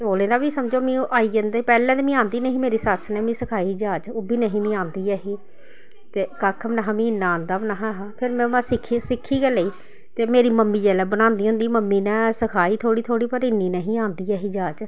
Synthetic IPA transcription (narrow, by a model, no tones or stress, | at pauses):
oːlẽːd̪aːbiːsəmd͡ʒoːmĩːʔaːiːənd̪aiːpɛːlɛ̃ːt̪ːmĩːãːnd̪iːnəɦĩːmeːɾiːsəsnɛ̃ːmĩːsəkʰaːiːd͡ʒaːt͡ʃoːbiːnəɦĩːmĩːãːnd̪iːaːɦiː | t̪eːkakʰmənaɦãːmĩːɪnːãːaːnd̪aːmənaːɦãːɦãːpʰɪɾmɛ̃ːãːsɪkʰːisɪkʰːiːkɛːləiː | t̪eːmeːɾiːməmːĩːd͡ʒɛːlɛːbənãːnd̪iːɦʊ̃nd̪iːməmːiːnɛ̃ːsəkʰaːiːt̪ʰoːɽiːt̪ʰoːɽiːpəɾɪnːiːnɛɦĩːaːnd̪iːaːɦiːd͡ʒaːd͡ʒ